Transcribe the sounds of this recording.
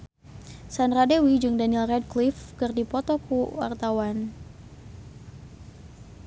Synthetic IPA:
sanradewid͡ʒɨŋdanilrɛd̚klifkɨrdipɔt̪ɔkuwa̰rt̪awan

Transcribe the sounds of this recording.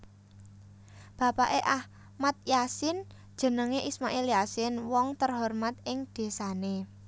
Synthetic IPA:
b̥ä̤paʔeʔah | mat̪̚jasɪn | d̥ʒ̥ə̤nəŋeʔismaʔeljasɪnwɔŋt̪ərɦɔrmat̪̚ɪŋd̪̥e̤sane

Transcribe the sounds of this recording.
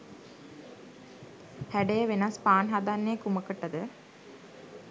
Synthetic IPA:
hæɖejəʋenaspaːnɦad̪anːekuməkəʈəd̪ə

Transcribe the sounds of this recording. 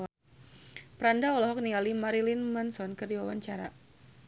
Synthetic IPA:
pəɾandaɔlɔɦɔk̚nialimaɾilinmansɔnkərdiwawaɲt͡ʃaɾa̰

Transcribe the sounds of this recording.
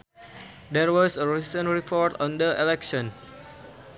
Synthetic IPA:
dɛɹwɔsəɹisə̃nɹipʰɔɹtɔ̃ndəʔelɛkʃɔ̃n

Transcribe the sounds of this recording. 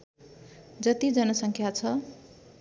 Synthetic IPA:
d͡zʌt̪id͡zʌnʌsʌŋkʰjat͡sʰʌ

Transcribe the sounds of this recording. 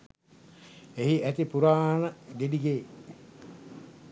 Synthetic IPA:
eɦiʔæt̪ipuɾaːnəɡediɡeː

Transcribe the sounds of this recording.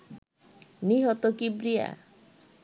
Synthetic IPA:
niɦɔt̪okibɾija̰

